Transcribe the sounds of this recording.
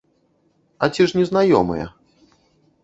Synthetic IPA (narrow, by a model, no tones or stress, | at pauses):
ɐt͡sʲiʂnʲɛznajɔmɨ̰jɛ̰